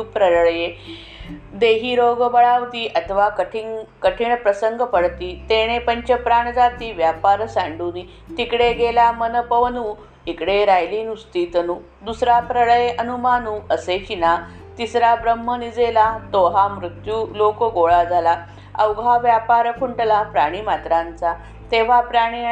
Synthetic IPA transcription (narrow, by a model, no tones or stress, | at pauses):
upɾəɾɭje | d̪eɦiːɾoɡbəɭaʋt̪iːʔət̪ʰəʋakəʈʰiŋkəʈʰiːɳpɾəsəŋɡəpəɽt̪iːt̪eɽ̃epəɲt͡ɕəpɾaɳd͡zat̪iːʋjapaɾsãɳɖuːni | t̪ikɽeɡelamənəpəʋənuː | ikɽeɾajliːnust̪iːt̪ənuː | d̪usɾapɾəɭəjeʔənumanuːəsekina | t̪isɾabɾəmːənid͡zelat̪oɦamɾut̪juːlokoɡoɭad͡zʱala | əwɡʱaʋjapaɾpʰuɳʈlapɾaɽ̃iːmat̪ɾãnt͡sa | t̪eʋ̤apɾaɽ̃i